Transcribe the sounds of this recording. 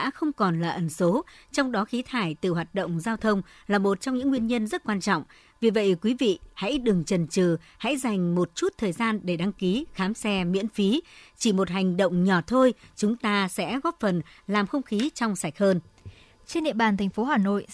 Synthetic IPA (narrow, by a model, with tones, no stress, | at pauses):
a̰ː˧˥xə˧wŋ͡mkɔ˨˩nlaː˨˩ʔə˨˩nso˨˦t͡ɕɔ˧wŋ͡mɗɔ˨˦xi˨˦t̪ʰaː˧˩jt̪ɨ˨˩ɦwaː˨˩t̚ɗə̰˧˨wŋ͡mzaː˧wt̪ʰə˧wŋ͡m | laː˨˩mo˨˩t̚t͡ɕɔ˧wŋ͡mɲɨ̰˧˥ŋːwi˧ənɲə˧nzə˦˥t̚kwaː˧nt͡ɕɔ̰˧˨wŋ͡m | vi˨˩və̰˧˨jkwi˨˦vḭ˧˨ha̰˧˥jɗɨ˨˩ŋt͡ɕə˨˩nt͡ɕɨ˨˩ha̰˧˥jza˨˩jŋ̟mo˨˩t̚t͡ɕu˦˥t̚t̪ʰəː˨˩jzaː˧nɗe˧˩ɗa˧ŋki˨˦xaː˨˦msɛ˧mḭ˧˥ənfi˨˦t͡ɕi˧˩mo˨˩t̚ha˨˩jŋ̟ɗə̰˧˨wŋ͡mɲɔ˧˩t̪ʰo˧jt͡ɕʊ˨˦ŋ͡mt̪aː˧sɛ̰˧˥ɣɔ˦˥p̚fə˨˩nlaː˨˩mxə˧wŋ͡mxi˨˦t͡ɕɔ˧wŋ͡msa˧˩jk̚həː˧n | t͡ɕe˧nɗḭ˧˨əɓaː˨˩nt̪ʰa˨˩ŋ̟fo˨˦haː˨˩no̰˧˨j